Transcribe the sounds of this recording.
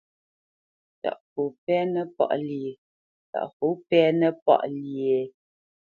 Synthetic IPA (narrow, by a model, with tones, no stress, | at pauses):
ta̰˨ʔku˨pɛ˦nə˦pɔ̰˦˨ʔlje˨ | ta̰˨ʔku˨˦pɛ˦nə˦pɔ̰˦˨ʔli˨e˨